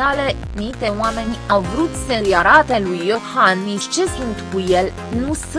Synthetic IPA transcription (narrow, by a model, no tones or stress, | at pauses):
ale̞ | nit̪e̞wame̞nʲawvɾut̪seijaɾat̪e̞lujːo̞hanmist͡ʃe̞sunt̪kuje̞l | nus